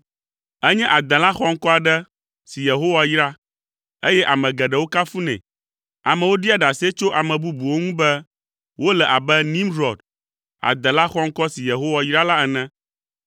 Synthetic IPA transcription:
ɛ˦ɲɛ̃˦ʔa˨d̪ɛ̃˨la˦xɔ˦ŋ̩˦kɔ˦a˨ɖɛ˦ | si˨je˨ɦo˦wa˨jɾa˦ | e˦jɛ˦ʔa˨mɛ̃˨ɡɛ˨ɖɛ˨wo˦ka˦fu˦nɛ̰̃˨ | a˨mɛ˨wo˦ɖi˦a˨ɖa˨si˦ɛ˦t͡ʃo˦ʔa˨mɛ̃˨bu˦bu˨wo˦ŋũ˦bɛ˦ | wo˦lɛ˨ʔa˨bɛ˦nĩ˦mɾɔ˨d̪ | a̰˨d̪ɛ̃˨la˦xɔ˦ŋ̩˦kɔ˦si˨je˨ɦo˦wa˦jɾa˦la˦ɛ˨nɛ̃˦

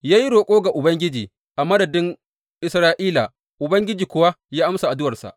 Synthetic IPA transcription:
jaː˦ji˦ɽoː˨kʷʼoː˦ɡa˨ʔʊ˨bɐ˦ŋɡʲɪ˦d͡ʒiː˨ | ʔa˨mɐ˦dɐ˨dɪ˦ŋ | ʔɪ˨sɾaː˦ʔiː˦la̰˨ | ʔʊ˨bɐ˦ŋɡʲɪ˦d͡ʒiː˨kʷʊ˦wa˦ | jaː˦ʔa˦msa˨ʔa˨dʊ˦wɐ˨rsa̰˨ʔ

